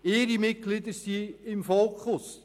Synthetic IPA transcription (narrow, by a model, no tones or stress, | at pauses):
ɪːɾimɪt̚ɡ̥lidəsiɪmfoːkχʊs